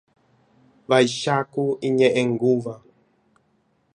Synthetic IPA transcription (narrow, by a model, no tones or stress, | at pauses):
vaiʃakuiɲɛʔɛŋɡuva